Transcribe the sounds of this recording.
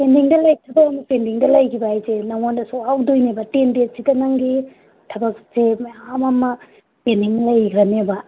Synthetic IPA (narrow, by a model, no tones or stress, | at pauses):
pendiŋdɐlɐjtʰɐbɐkɐmɐpendiŋdɐlɐjkʰibaajzenɐwandɐsoawdojnebɐtenbesikɐnɐŋɡi | tʰɐbɐksemɐamɐmɐ | pendiŋlɐjɡɾɐnebɐ